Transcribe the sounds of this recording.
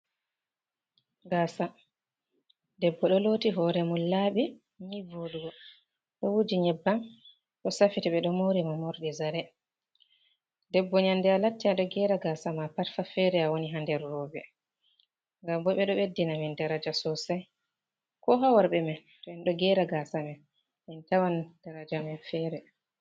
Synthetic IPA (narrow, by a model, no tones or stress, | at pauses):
ɡaːsa | dɛbːɔɗɔlotiɦɔɾɛmunlːaɓi | ɲivoduɡɔ | ɗɔwud͡ʒiɲɛbːan | ɗɔsafitɛɓɛɗɔmoɾimamoɾɗizaɾɛ | dɛbːɔɲandɛalatːiaɗɔɡɛɾaɡasamapaɾfafɛɾɛawoniɦandɛɾːɔbɛ | ŋɡambɔɓɛɗɔbedːinamindaɾad͡ʒasɔsaj | kɔɦawaɾɓɛman | tɔɛnɗɔɡɛɾaɡasamɛ | mintawand̥aɾad͡ʒamɛnfɛɾɛ